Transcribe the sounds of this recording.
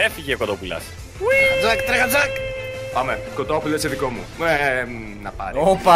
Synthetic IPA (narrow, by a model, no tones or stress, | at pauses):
efiʝeokot̪opulɐ̰s | wd͡zɐkt̪ɾɐɣɐd͡zɐkpɐmekot̪opulɐseðiko̞mṵe | nɐpɐ̰ɾiopɐ